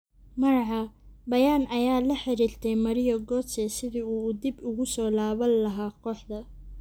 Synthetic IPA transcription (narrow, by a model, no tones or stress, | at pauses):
mɐɾɐʕɑbɐjaːnɐjaːlɐħɪɾiːrt̪ʰɛjmɐɾɪjɔɡɔːsɛsɪðiuːd̪ɪbʊɣʊsɔːlaːβɐnlɐɦaːqʰɔːħd̪ɐ